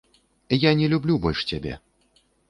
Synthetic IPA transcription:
janʲɛlʲublʲubɔlʲʂt͡sʲabʲɛ̰

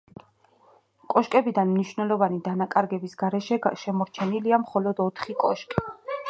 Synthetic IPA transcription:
kʼɔʃkʼɛbid̪anmniʃvnɛlˠɔvanid̪anakʼaɾɡɛbisɡ̥aɾɛʃɛʃɛmɔɾt͡ʃʰɛniliamχɔlɔd̪ɔt̪ʰχikʼɔʃkʼi

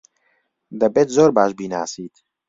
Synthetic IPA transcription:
d̪ɐbeːt̪zoːɾbaːʃbiːnaːsiːt̪

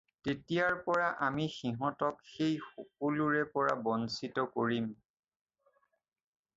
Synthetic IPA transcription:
tetijaɹpɔɹaʔamixiɦɔtɔkxejxok̚uluɹɛpɔɹabɔnsitɔkoɹim

